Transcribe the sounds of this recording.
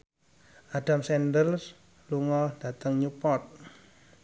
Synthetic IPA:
ʔaɖ̥amsɛndəls | luŋɔd̥at̪əŋɲupɔt̪̚

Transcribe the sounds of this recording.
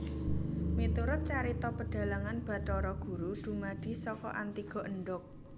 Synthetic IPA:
mit̪uɾʊt̪̚t͡ʃaɾit̪ɔpəɖ̥a̤laŋanb̥a̤t̪ɔɾɔɡ̥ṳɾuɖ̪̥ṳmaɖ̪̥i̤sɔkɔ̰ʔant̪iɡ̥ɔ̤ʔəɳɖʊk̚

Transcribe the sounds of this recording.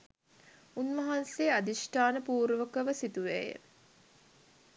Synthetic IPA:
unmɐɦansead̪isʈaːnəpuːɾʋəkəʋəsit̪uʋæ̰jə̰

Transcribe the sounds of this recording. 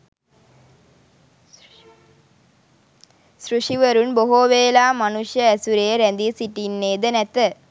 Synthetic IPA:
sɾuʂiʋɐɾunboɦoːʋeːlaːmɐnuʂjɐːsuɾɐjɐɾɐnd̪isiʈːinːeːd̪ɐnɐt̪ːɐ

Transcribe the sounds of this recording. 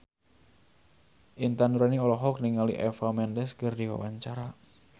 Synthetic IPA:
ʔint̪anuɾaniɔlɔɦɔk̚niŋalḭʔɛfamɛndɛskərdiwa̰wa̰ɲt͡ʃaɾa

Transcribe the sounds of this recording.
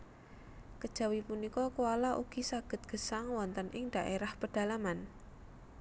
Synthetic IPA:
kəd̥ʒ̥a̤wipunikɔkualaʔṵɡ̥i̤saɡ̥ə̤t̪̚ɡ̥ə̤saŋwɔnt̪ənʔɪŋd̥a̤ʔeɾahpəɖ̥a̤laman

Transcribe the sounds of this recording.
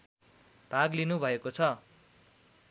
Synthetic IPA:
paɡlinubʱʌekot͡sʰʌ

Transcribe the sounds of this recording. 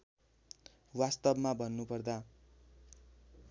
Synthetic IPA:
wast̪ʌbmabʱʌnːupʌrd̪a

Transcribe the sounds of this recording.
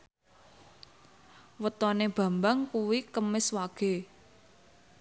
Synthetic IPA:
wət̪ɔneb̥ä̤mbaŋkuwikəmɪswaɡ̥e̤

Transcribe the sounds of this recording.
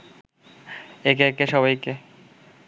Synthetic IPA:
ekeekeʃɔβajke

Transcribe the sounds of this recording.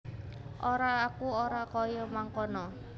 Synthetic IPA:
ʔoɾaːkuoɾakɔjɔmaŋkɔnɔ

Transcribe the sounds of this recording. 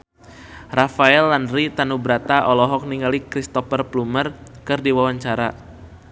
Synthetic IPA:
rafaɛlːandɾit̪anubɾat̪aʔɔlɔɦɔk̚niŋalikɾist̪ɔfərplumər | kɨrdiwawaɲt͡ʃaɾa

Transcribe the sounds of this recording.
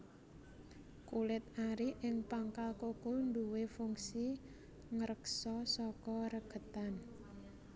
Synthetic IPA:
kulɪt̪̚aɾiʔɪŋpaŋkalkokund̪uwefuŋsi | ŋəɾəksɔsɔkɔɾəɡ̥ə̤t̪an

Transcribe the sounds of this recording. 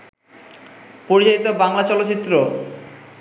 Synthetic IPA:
poɾit͡ɕaɦit̪obaŋlat͡ɕɔlot̪ːɕit̪ːɾo

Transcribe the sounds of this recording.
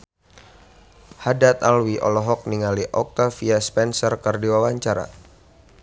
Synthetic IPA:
hadat̪alwiʔɔ̰lɔɦɔk̚niŋaliʔɔk̚t̪afiaspɛnsərkərdiwawaɲt͡ʃaɾa̰

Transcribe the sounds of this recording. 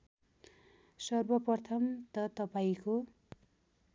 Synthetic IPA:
sʌrbʌpʌrt̪ʰʌmt̪ʌt̪ʌpaiko

